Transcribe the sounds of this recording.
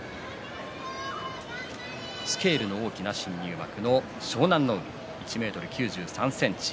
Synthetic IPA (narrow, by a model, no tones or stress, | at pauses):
sɨ̥ke̞ːɾɯ̟no̞oːkʲinaɕĩɲːɯːma̰kɯ̟no̞ | ɕo̞ːnãnːoɯ̟ḭ | it͡ɕime̞ːt̪o̞ɾɯ̟kʲɨːʑɨːsãɰ̃sẽ̞ɲ̟t͡ɕi̥